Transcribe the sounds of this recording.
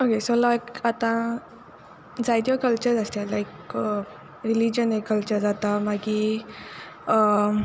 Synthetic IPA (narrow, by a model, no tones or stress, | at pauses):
okesolakat̪ã | d͡zajd̪jokəlt͡ɕəɾast̪jalaik | ɾilid͡ʑənekːəlt͡ɕəɾd͡zat̪amaɡi | ə